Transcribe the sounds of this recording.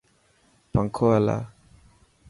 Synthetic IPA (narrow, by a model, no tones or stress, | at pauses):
paŋkʰoala̰